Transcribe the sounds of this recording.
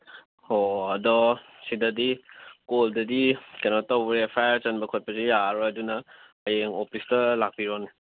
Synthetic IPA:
oɐdɔ | sidɐdikoldɐdikanotawbɾepʰajɾt͡ʃɐnbɐkʰojpɐsijaɾoɐdunɐ | ɐjeŋopʰistɐlak̚piɾoni

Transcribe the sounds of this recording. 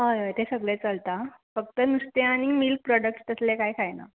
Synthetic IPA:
ɦəjɦəjt̪ʰesəɡɭet͡səlt̪afək̚t̪ənust̪eaɽ̃imilk̚pɾɔɖək̚ʈt̪əslekajkʰajna̰

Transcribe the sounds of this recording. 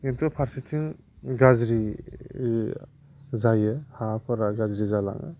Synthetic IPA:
intʰɔpʰaɾsitʰiŋ | ɡazɾi | zajɯhapʰaɾaɡazɾizala̰ŋɯ̰

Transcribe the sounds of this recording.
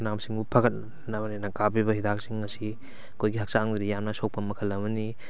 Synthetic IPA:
namsiŋbupʰɐɡɐt̚ | nɐbɐninɐkabibɐɦidak̚siŋːɐsi | ɐkʰojɡihɐk̚saŋd̪ɾijamnɐsok̚pɐmɐkʰɐlɐbɐni

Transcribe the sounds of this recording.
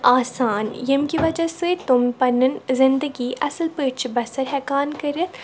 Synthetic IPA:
aːsaːnjəmkiʋɐd͡ʒasɨt̪ʊmpɐnənzɪ̃nd̪əɡiʔɐ̰səlpəːʈt͡ʃbɐsəɾɦɛːkaːnkɐɾət̪

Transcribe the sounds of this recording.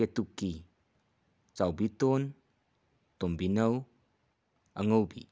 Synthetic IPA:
et̪ukːi | t͡sawbit̪ɔn | t̪ɔmbinɐw | ʔɐŋowbḭ

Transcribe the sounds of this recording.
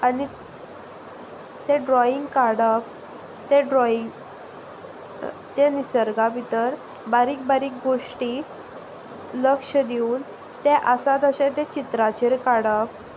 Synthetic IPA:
ani | t̪eɖɾɔiŋɡkaɽək | t̪ɛɖɾɔiŋɡ | t̪enisəɾɡabit̪əɾ | baɾiːk̚baɾiːk̚ɡoʂʈi | ləkʂəd̪iuːn | t̪ɛʔəsat̪əɕẽt̪ɛ̃t͡ɕit̪ɾat͡ɕeɾkaɽək

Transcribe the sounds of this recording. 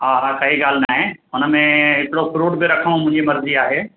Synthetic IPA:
ɦaːakɐɦiɡaːl̤naːɦẽʊnəmẽɦɪkɪɽopɾoːʈbiɾɐkʰəɽ̃ũmʊ̃ɦɪ̃ɲd͡ʑimɐɾziaːɦeː

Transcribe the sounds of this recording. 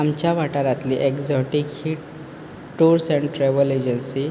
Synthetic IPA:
amt͡ɕjaʋaʈəɾat̪liʔekzɔʈikhiʈ | ʈːuɾsẽɳʈʈɾeʋəled͡ʑənsi

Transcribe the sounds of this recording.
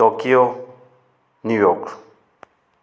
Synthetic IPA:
okio | nujɔk

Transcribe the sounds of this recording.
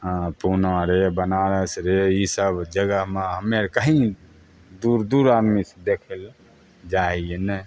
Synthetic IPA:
punaɾebənaɾəsɾeisəbd͡ʒəɡəɦmeɦəmeɾkəɦĩ | d̪uɾd̪uɾad̪mised̪ekʰel | d͡ʒaɦienɛ

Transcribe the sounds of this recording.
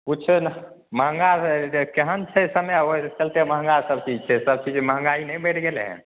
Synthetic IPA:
kuːt͡ʃʰ | məɦəŋɡaɾkeɦənt͡ʃʰɛsəmjot͡ʃəlt̪eməɦə̃ŋɡaɾsəbt͡ʃid͡ʒt͡ʃʰɛsəb̚t͡ʃid͡ʒməɦə̃ŋɡainɛjbəʈʰɡeleɦɛ̰̃

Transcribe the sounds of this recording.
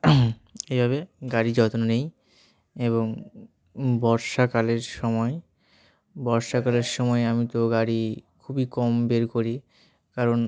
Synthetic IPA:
ejbʱaβeɡaɾid͡ʑɔt̪ononej | eβoŋ | bɔɾʃakaleɾʃɔmɔe | bɔɾʃakaleɾʃɔmɔeamit̪oɡaɾikʰubikɔmbeɾkoɾi | kaɾon

